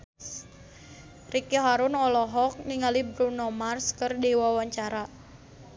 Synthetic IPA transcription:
rikiɦaɾʊnɔlɔɦɔk̚niŋalibɾunɔmarskərdiwawaɲt͡ʃaɾa

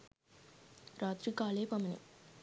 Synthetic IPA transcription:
ɾaːt̪ɾikaːleːpɐmɐnḭ

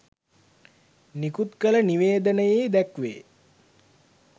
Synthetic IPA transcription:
nikut̪kələniʋeːd̪ənəjejd̪ækʋḛː

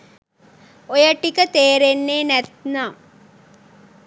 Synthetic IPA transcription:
ojəʈikət̪eːɾenːeːnæt̪naː

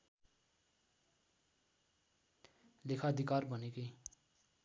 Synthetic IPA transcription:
lekʰaʌd̪ʱikarbʱʌnekʌ

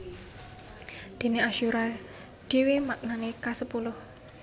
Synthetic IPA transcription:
d̪̥e̤neaʃuɾal | ɖ̥e̤wemak̚nanekasəpulʊh

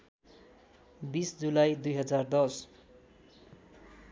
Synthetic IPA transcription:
bisd͡zulajd̪ujɦʌd͡zard̪ʌs

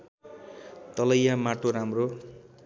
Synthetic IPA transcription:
t̪ʌlʌjamaʈoɾamro

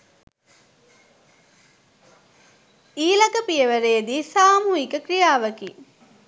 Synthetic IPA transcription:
iːlɐkəpiəʋəɾeːd̪iːsaːmuɦikəkrijaːʋəki

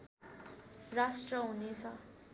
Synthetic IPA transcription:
rasʈrʌɦunet͡sʰʌ

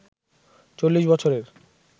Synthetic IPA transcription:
t͡ɕolːiʃbɔt͡ɕʰoɾeɾ

